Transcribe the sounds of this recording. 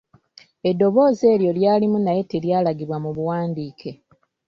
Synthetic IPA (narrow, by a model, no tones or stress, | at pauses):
edːo̞βo̞ːze̞ːljo̞ljaːlimunaje̞teljaːlaɡiβwamuβuwaːndiːkʰe̞